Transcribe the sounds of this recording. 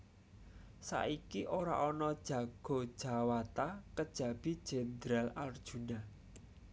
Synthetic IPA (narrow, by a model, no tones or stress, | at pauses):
sa̰ʔikiʔoɾa̰ʔɔnɔd̥ʒ̥ä̤ɡ̥o̤d̥ʒ̥a̤wat̪akəd̥ʒ̥ä̤b̥i̤d̥ʒ̥ed̪ɾalard̥ʒ̥ṳna